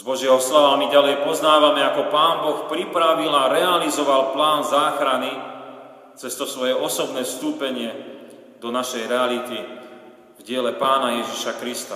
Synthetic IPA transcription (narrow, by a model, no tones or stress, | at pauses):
z̥bɔʒɪɛɦɔslaʋamiɟalɛjpɔznaːʋamɛakɔpaːnbɔxpɾipɾaʋilaɾɛalizɔʋalplaːnzaːxɾani | t͡sɛst̪ɔsʋɔjɛʔɔsɔbnɛːfst̪uːpɛɲɪɛ | d̪ɔnaʃɛjɾɛalit̪i | vɟɪɛlɛpaːnajɛʒiʃakɾist̪a